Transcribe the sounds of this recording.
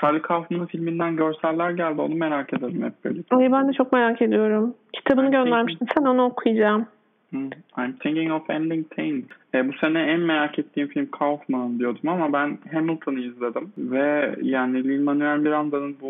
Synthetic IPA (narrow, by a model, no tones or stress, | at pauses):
t̪ʰalʲːikʰawfmanɯfilʲmind̪ænɟø̞ɾsælʲːæɾɟælʲd̪io̞nume̞ɾaːcʰe̞d̪ed̪imhɛp̚bḛlʲːicʰajbænd̪ɛt͡ʃʰo̞kme̞ɾaːce̞d̪ijo̞ɾumcʰi̥t̪ʰabɯnɯɟø̞nlʲæɾmiʃt̪ʰimsænonaokʰujd͡ʒaːm̩ː | ajmt̪ʰeŋciŋofɛ̰nd̪iŋt̪ʰeŋɛːbuse̞nɛænme̞ɾaːkʰet̪ʰːiːmfilʲmkʰawfmanɯnd̪ijo̞d̪umamabænɦemilˠt̪ʰonɯizlʲe̞d̪imvɛjaːnilʲilʲmanyænbiɾand̪anɯnbu